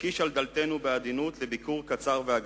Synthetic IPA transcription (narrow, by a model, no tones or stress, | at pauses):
kiʃald̪alt̪e̞nubead̪inut̪lebikuʁkat͡saʁveaɡ